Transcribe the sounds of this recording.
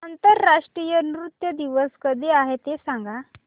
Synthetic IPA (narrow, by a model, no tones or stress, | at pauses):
ənt̪əɾːaʂʈɾijənɾut̪jəd̪iʋəskəd̪ʱeaɦet̪esãŋɡa